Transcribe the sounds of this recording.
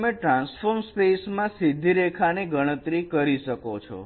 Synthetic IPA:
mẽʈɾãnsfoɾmspesmãsid̪ʱiɾekʰaneɡəɽ̃ət̪ɾikəɾiʃəkot͡ʃʰo̰

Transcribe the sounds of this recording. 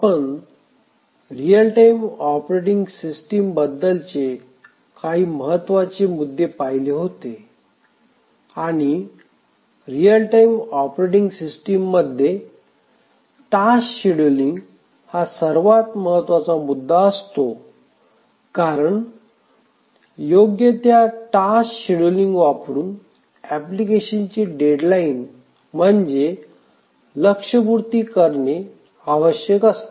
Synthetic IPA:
apəɳ | ɾijəlʈaimɔpɾeʈiŋɡsisʈimbəd̪ːəlt͡ɕe | kaɦiːməɦət̪ːʋat͡ɕemud̪ːepajleɦot̪e | aɽ̃i | ɾiəlʈaimɔpɾeʈiŋɡsisʈimːəd̪ʱːje | ʈaɕɕiɽliŋɡ | hasəɾʋat̪məɦət̪ʋat͡samud̪ʱːaəst̪o | kaɾəɳ | joɡjət̪jaʈaɕɕiɽəliŋɡʋapɾuːn | æplikeɕint͡ɕiːɖeɖlain | m̤əɳd͡ʑe | ləkʂəbuɾt̪iːkəɾɳe | aʋəɕjəkəst̪o

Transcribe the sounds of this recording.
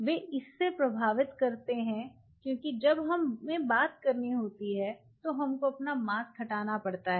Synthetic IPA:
ʋeːʔɪsːepɾɐbʱaːʋɪt̪kɐɾt̪eɦɛ̃ | kjõːkid͡ʒɐbɦɐmːẽbaːt̪̚kɐɾniɦoːt̪iɦɛ | t̪oɦɐmkoɐpnamaːskʰɐʈaːnapɐɽt̪aɦɛː

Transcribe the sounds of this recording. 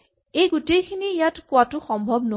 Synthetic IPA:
ejɡutejkʰinijatkʊwatʊxɔmbʱɔbno

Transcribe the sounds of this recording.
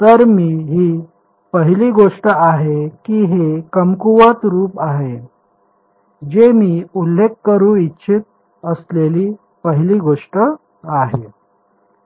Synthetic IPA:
t̪əɾmiːɦi | pəɦiliːɡoʂʈəaɦekiːɦekəmkuʋət̪ɾuːpaɦe | d͡ʑemiːulːekːəɾũːitːɕʰit̪̚ | əsleliː | pəɦiliːɡoʂʈə | aɦe

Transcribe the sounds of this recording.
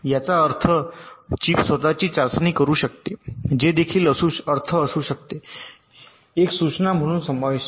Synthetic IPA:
jat͡saəɾt̪ʰət͡ɕiːpsʋət̪at͡ɕiːt͡ɕaɾsniːkəɾuːɕəkt̪ed͡ʑed̪ekʰiːləsuəɾt̪ʰəːsuːɕək̚t̪e | eksut͡snam̤əɽ̃uːnsəmbʱaʋiɕ

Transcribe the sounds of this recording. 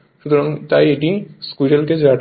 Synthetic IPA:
ʃut̪oɾaŋt̪ajeʈiskuʈelked͡ʑaʈ

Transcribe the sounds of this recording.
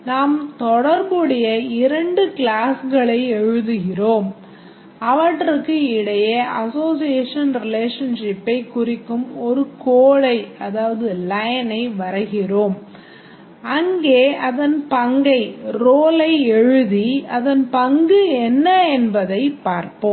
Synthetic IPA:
naːmt̪ɔɽɐɾbɯɽɐjɐɪɾɐɳɖɯklaːsɣɐɭɐɪɛɻɯðɯɣɪroːm | ɐʋɐʈːrɯkːɯɪɽɐjɐʔɐsoːsɪjeːʂɐnɾɪleːʂɐnʂɪpːɐɪkːʊrɪkːɯmɔɾɯkoːɻɐɪɐðaːʋɐðɯlɐjɐnɐɪʋɐɾɐɣɪroːm | ɐŋɡeːɐðɐnpɐŋɡɐɪɾoːlɐɪɛɻɯðiɐðɐnpɐŋɡɯɛnːɐɛnbɐðɐɪpːaːɾpoːm

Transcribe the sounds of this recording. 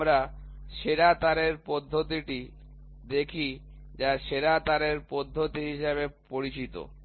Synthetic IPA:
mɾa | ʃeɾat̪aɾeɾpɔd̪ʱːot̪iʈi | d̪ekʰi | d͡ʑaʃeɾat̪aɾeɾpɔd̪ʱːot̪iɦiʃeβepoɾit͡ɕit̪o̰

